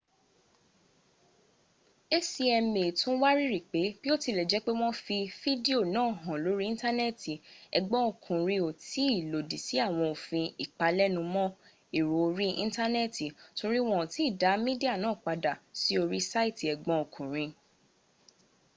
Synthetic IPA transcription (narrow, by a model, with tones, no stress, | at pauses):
e˦si˧ɛ˧me˨tũ˦wa˦ɾi˦ɾi˨k͡pe˨˦b̥i˦o˦ti˧lɛ˨d͡ʒɛ˨˦k͡pe˦w̃ɔ̃˦fi˧fi˦di˦o˦˨nãː˦˨ɦɔ̃˨lo˨˦ɾi˦ĩ˦ta˦nɛ˦ti˨ɛ̰˨ɡ͡bɔ̃˦o˨kʰũ˨ɾ̃ĩ˧o˨ti˨˦i˦˨lo˨di˨si˨˦a˦˨w̃ɔ̃˧o˨fĩ˧i˨k͡pa˧lɛ˦nũ˧mɔ̃˦ | i˦˨ɾo˨o˧ɾi˦ḭ̃˦ta˦nɛ˦˨ti˨to˧ɾi˦w̃ɔ̃˦˨ti˨˦˨da˨˦mĩ˦di˦a˦˨nãː˨˦˨k͡pa˧da˨si˨˦o˧ɾi˦sa˦i˦ti˨ɛ˨ɡ͡bɔ̃˨˧o˨kʰũ˨ɾ̃ĩ˧